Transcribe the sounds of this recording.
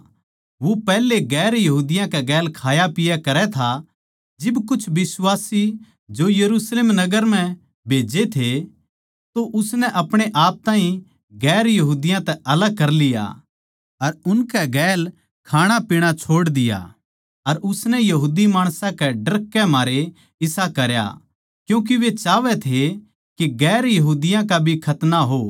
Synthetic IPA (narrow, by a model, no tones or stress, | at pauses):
ʋopɛːleɡɛːɾjɐɦuːd̪ɪjãkɛɡɛːlkʰaːjapɪjakɐɾɛt̪ʰa | d͡ʒɪbkʊt͡ʃʰʋɪswaːsi | d͡ʒojɐɾuːsleːmnɐɡəɾm̤ɛ̃ | bʱeːd͡ʒet̪ʰe | t̪oʔʊsnɛʔɐpɽ̃eʔaːp̚t̪aːɦĩ | ɡɛːɾjɐɦuːd̪ɪjãt̪ɛʔɐləɡ̚kɐɾlɪja̰ | ɐɾʊnkɛɡɛːl | kʰaːɽ̃apiɽ̃at͡ʃʰoːɽd̪ɪja̰ | ɐɾʊsnɛjɐɦuːd̪imaːɽ̃sãkɛɖɐɾkːɛmaːɾe | ɪsakɐɾja̰ | kjũːk̬iʋet͡ʃaːʋɛt̪ʰe | kiɡɛːɾjɐɦuːd̪ɪjãk̬abʱikʰɐt̪naɦoː